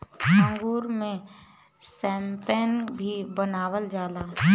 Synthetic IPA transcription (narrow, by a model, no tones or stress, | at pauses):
ə̃ŋɡuːɾmẽ | sɛ̃ːmpeːnbʱibənaːwəld͡ʒaːlaː